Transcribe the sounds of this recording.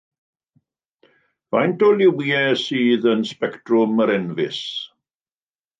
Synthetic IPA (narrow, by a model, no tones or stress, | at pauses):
vajntoljuwiːɛsiːðənspɛktɹʊməɾɛnvɪs